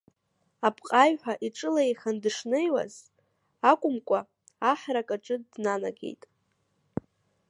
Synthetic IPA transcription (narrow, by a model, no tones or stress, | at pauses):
apʰqʼajħʷᶣaʔiʈ͡ʂʼɨlaejχandʂnejwa̰z | akʷʼʊmkʷʼa | aħrakʼaʈ͡ʂʼɨdnana̰ɡe̞̰jtʼ